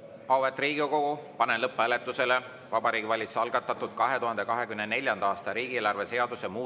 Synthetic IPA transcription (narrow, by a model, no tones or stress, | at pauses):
ɑwet̪ːriːɡ̥iko̞ɡ̥upɑnenlɤpːælet̪ːˑuse̞le | vɑbɑɾiːɡivɑlʲiseɑlɡ̥ɑt̪ːˑɑt̪ːˑut̪̚kɑɦe̞t̪uɦɑnd̪̥e̞kɑɦe̞kymnene̞lʲjɑnd̪ɑɑːst̪ɑɾiːɡ̥ieːlɑrve̞se̞ɑd̪usemuː